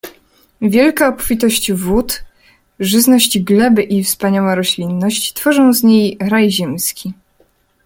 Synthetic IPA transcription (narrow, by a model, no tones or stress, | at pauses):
vʲjɛlkaɔpfʲit̪ɔɕt͡ɕvut̪ | ʐɘznɔɕt͡ɕɡlɛbɘʔifspaɲawaɾɔɕlʲinːɔɕt͡ɕt̪fɔʐɔ̃w̃zɲejɾajʑɛmskʲi